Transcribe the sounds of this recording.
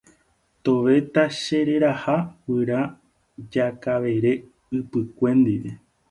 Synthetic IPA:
t̪o̞ʋe̞t̪aʃe̞ɾe̞ɾahawɨɾa | d͡ʒakaʋe̞ɾe̞ | ɨpɨkʷẽ̞nd̪iʋe

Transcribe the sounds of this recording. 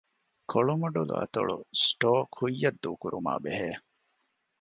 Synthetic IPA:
kʰoɭumɐɖulṵʔɐ̰t̪ɐ̰ɭṵsʈoːkʰhujːɐd̪ːuːkuɾuma̰ːbeɦeː

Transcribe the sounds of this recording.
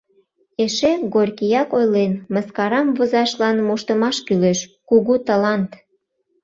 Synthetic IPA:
eʃeɣorʲkijɑkojlenməskɑɾɑmvozɑʃlɑnmuʃt̪əmɑʃkyleʃkuɣut̪əlɑnt̪

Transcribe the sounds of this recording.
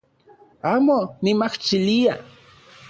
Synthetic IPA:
aːmomimaht͡ʃilia

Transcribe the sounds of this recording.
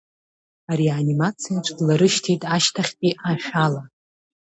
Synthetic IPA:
aɾianimat͡sʰijat͡ʃʷʰʼdlaɾɨʃtʰitʼaʃtʰaχʲtʼiʔaʃᶣala

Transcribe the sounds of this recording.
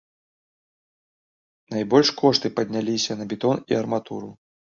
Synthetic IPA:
najbɔlʲʂkʰɔʂt̪ɨpɐd̪ʲnʲalʲisʲɐnɐbʲɛt̪ɔnḭɐrmat̪ṵɾṵ

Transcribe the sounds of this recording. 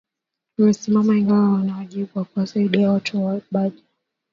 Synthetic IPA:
umɛsimamaiŋɡawawanawaʄiɓuwakuwasaiɗiawatʰuɓaʄi

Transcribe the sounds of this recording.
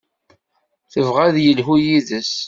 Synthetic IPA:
θəvʁæðjəlɦujiðəs

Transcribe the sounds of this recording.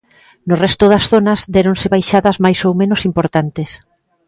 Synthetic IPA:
nʊrɛst̪oðɐsθonɐzd̪ɛɾõnsɪβajʃaðɐzmajsowmẽnosimpoɾt̪ant̪es

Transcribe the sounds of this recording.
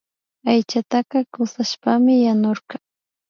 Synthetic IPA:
ajt͡ʃat̪ɑqɑkʊsaʃpamɪjanoɾɢɑ

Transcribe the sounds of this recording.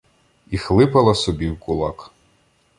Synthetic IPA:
ixlˠɪpɐlˠɐsɔbʲiwkʊlˠɑk

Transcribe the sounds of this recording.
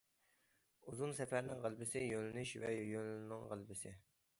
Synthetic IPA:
uzunsɛfæɾnɪŋʁəlˠbɪsɪjølɪnɪʃvɛ̰jjølnnɪŋʁəlˠbɪsɪ

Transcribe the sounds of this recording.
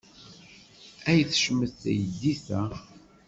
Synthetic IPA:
æjəθʃmːəθt̪æ̰jəd̪ːiθæ

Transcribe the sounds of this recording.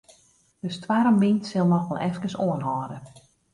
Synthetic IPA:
d̥əstwaɾəmʋintsɪlˠnɔxʋɛlˠʔɛfkəsoənɦɔːdə

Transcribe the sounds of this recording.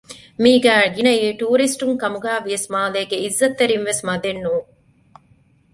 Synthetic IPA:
miːɡæːɡinɐiːʈuːɾisʈuŋkɐmuɡæːʋijɐsmaːleːɡeizːɐt̪ːeɾinʋesmɐd̪enːuːŋ

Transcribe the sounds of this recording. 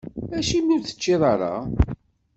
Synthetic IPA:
æʃimːuɾθə̥t͡ʃːɪðˤɑɾˤɑ̰

